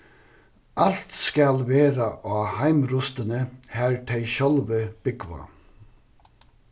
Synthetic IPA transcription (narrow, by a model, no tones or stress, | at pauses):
ʔalt̪skɑlʋeːɾaʔoːhæɪmɾʊst̪ənəhæːɹʈʰɛɪɕɔlʋəb̥ʏɡʋa̰